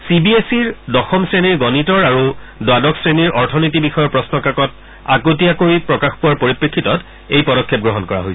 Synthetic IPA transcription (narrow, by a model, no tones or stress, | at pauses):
sibiesiɹdɔxɔmsɹeniɹɡɔnitɔɹaɹudwadɔksɹeniɹʔɔɹtʰɔnitibixɔjɔɹpɹɔsnɔkakɔt | akot̬iakoɹipɹɔkaxpuwaɹpoɹipɹekʰːitɔt | ejpɔɾɔkʰːɛp̚ɡɹɔɦɔnkɔɹa̰ɦojs